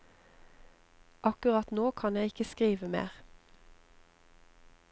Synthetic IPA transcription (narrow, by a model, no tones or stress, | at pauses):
ʔɑkʉʁɑt̪noːkʰɑnjæɪɪkəskʁiːʋəmḛːʁ